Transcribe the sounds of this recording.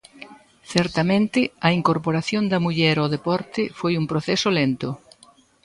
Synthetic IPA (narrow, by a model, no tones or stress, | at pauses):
θɛɾt̪ɐmẽnt̪ɪɐiŋkoɾpoɾaθjond̪ɐmuʎɛɾoðepɔɾt̪ɪfojumpɾoθɛsʊlent̪ʊ